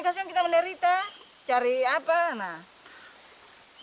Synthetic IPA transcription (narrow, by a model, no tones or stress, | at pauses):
kasiaŋkit̪amɛndaɾit̪a | t͡ʃaɾiapana